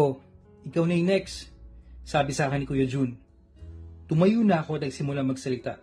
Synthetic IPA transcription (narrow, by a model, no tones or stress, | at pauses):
o | ʔɪkawnɐjnɛksː | aːbɪsaːkɛnɪkujɐd͡ʒun | t̪ʊmɐjunɐɐko̞ɐt̪nɐɡsɪmʊlamɐɡsɐlɪt̪a